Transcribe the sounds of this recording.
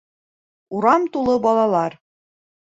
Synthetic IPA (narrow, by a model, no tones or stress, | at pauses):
uɾɑmt̪ulˠɤbɑlˠɑlˠɑɾ